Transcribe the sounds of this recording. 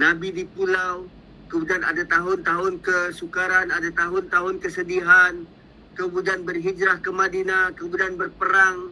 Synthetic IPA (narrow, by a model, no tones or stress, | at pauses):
nabidipulaw | kəmudiana̰dat̪aɦʊnt̪aɦʊnkəsukaɾanadat̪aɦʊnt̪aɦʊnkəsədiɦan | kəmudianbərɦid͡ʒɾahkəmadinakəmudanbərpəɾaŋ